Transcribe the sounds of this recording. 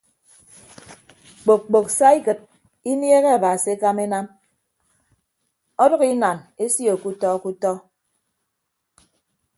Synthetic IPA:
k͡po˨k̚k͡po˨ksa˦i˦kɨ˨t̚ | i˦nje˦ɣe˦a˨ba˨si˨e˦ka˦me˦na˦m | ɔ˦dɔ˦ɣi˦na˨ne˦sjo˨ku˦tɔ˦ku˦tɔ˦

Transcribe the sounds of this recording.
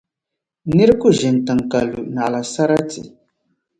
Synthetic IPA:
ni˦ɾku˦˨ʒɪ˨n˨tɨ˨ŋ˨ka˨lu˨na˨ʔla˨sa˦ɾa˦tḭ˨

